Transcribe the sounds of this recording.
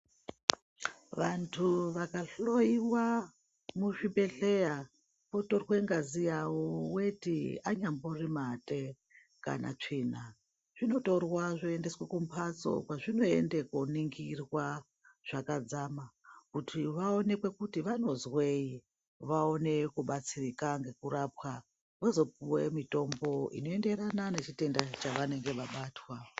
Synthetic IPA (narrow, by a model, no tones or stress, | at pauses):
ʋantʰuʋakaɬo̞iwa | muʐibe̞ɬe̞ja | po̞to̞rwe̞ŋɡazijawowe̞tḭaɲamborimatʼe | ka̰na̰t͡ʂiːna | ʐ̥ino̞to̞rwaʐoe̞nde̞swakum̩pʰat͡so̞̰kwaʐino̞e̞̰ndekuniŋɡirwa | ʐ̥akad͡zamakutʰiʋao̞ne̞kwe̞kutiʋano̞zwei | ʋao̞ne̞kuɓat͡sirikaŋɡe̞kuɾapwa | ʋozo̞puwemito̞mbo̞ḭno̞e̞nde̞ɾanane̞t͡ʃite̞ndat͡ʃaʋane̞ŋɡe̞ʋaɓaːtwa